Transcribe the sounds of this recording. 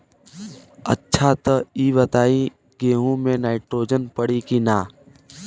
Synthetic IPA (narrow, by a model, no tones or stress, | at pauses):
ɐ̰tːʃʰat̪əiːʋət̪aːĩ | ɡeːɦũmẽnaːɪʈɾoːd͡ʒənpəɽikinaː